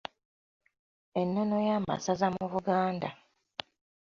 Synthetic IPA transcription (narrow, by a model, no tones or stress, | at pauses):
enːono̞jama̰sazamuβuɡaːnda